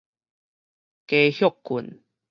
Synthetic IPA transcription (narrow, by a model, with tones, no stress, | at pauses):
ke˧hjo˥˧˨kːu˨˩˨n